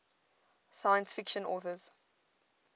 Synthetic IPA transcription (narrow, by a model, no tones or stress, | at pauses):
saɪə̃nsfɪkʃə̃nɔːθəz̥